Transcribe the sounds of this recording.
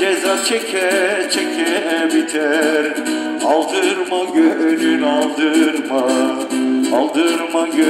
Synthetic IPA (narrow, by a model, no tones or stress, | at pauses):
d͡ʒɛzat͡ʃʰɛkʲʰɛt͡ʃʰɛkʰɛbit̪ʰɛɾ | ɑlˠd̪ɯɾmaɡøɾynɑlˠd̪ɯɾma | ɑlˠd̪ɯɾmaɡø